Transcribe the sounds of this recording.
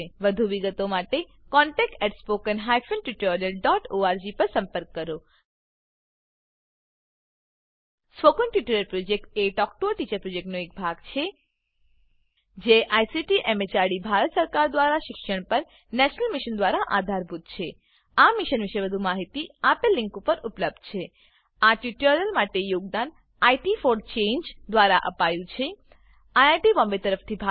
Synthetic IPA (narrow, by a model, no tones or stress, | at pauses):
ʋəd̪ʱuʋiɡət̪omaʈe | kɔ̃ɳʈɛk̚ʈɛʈspokənɦajfənʈjuʈoɾijəlɖɔʈoaɾd͡ʒipəɾsə̃mpəɾkːəɾo | spokənʈuʈoɾəɾpɾod͡ʒek̚ʈeʈɔkʈoʈit͡ʃəɾpɾod͡ʒek̚ʈnoek̚bʱaɡt͡ʃʰe | d͡ʒeʔajsiʈiʔemet͡ʃaɽibʱaɾət̪səɾkaɾd̪ʋaɾaʃɪkʃəɳpəɾ | nɛʃnəlmiʃənd̪ʋaɾaʔad̪ʱaɾbʱut̪̚t͡ʃʰe | amiʃənʋiʃebəd̪ʱumaɦit̪iapelːɪŋkupəɾupləb̚d̪̥̚t͡ʃʰe | aʈjuʈəɾəlmaʈejoɡ̚d̪an | aiʈifoɾɖ̚t͡ʃẽɲd͡ʒd̪ʋaɾaʔə̰pajũt͡ʃʰe | ajaʈiʋɔ̃mbet̪əɾəft̪ʰibʱa